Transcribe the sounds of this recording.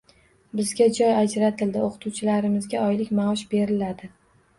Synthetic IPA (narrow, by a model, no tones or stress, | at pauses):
bɪzɡʲad͡ʒɒjad͡ʒɾat̪ʰɪld̪ɪoqʰɨ̥t̪ʰuwt͡ʃʰɪlaɾɪmɪzɡʲaɒjlɪkʲmaʃbe̞ɾɪlad̪ɪ